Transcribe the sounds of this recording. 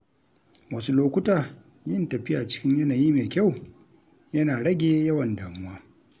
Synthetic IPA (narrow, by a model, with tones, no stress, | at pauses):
wɐ˦su˦loː˦kʷʊ˦taː˨ | jɪ˦ntɐ˨ɸɪ˦jaː˨t͡ʃɪ̥˦kʲɪ˦ɲjɐ˦naː˨jiː˦meː˨kʲa˦˨w | jɐ˦naː˨ɽɐ˦ɡʲeː˨jɐ˦wɐ˨ndaː˨mʊ˦waː˦